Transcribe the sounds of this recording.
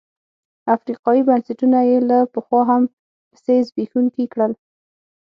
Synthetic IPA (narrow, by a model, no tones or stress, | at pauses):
afɾiqɑjibansɪʈunajelapəxwɑɦam | pə̥sezbexunk̪ikɽəl